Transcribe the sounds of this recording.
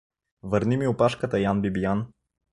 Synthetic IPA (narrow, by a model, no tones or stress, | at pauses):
vəɾnimiʊpaʃkət̪əjanbibijan